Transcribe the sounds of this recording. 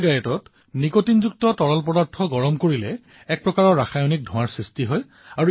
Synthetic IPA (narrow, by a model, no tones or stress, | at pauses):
ɡajɔtɔt | nikotinzuk̚tɔtɔɹɔlpɔdɔɹtʰɔɡɔɹɔmkoɹilɛ | ɛk̚pɹɔkaɹɔɹaxajɔnik̚dʱɔ̃waɹsɹistiɦɔj | aɹu